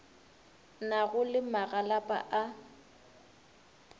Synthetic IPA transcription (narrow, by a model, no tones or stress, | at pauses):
naɣʊlɪmaɣalapʼa̰ʔa